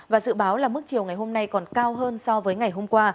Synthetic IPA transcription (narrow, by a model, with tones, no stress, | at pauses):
vaː˨˩zɨ̰˧˨ɓaː˨˦wlaː˨˩mɨ˦˥k̚t͡ɕi˨˩əwŋa˨˩jho˧mna˧jkɔ˨˩nkaː˧wɦəː˧nsɔ˧vəː˨˦jŋa˨˩jɦo˧mkwaː˧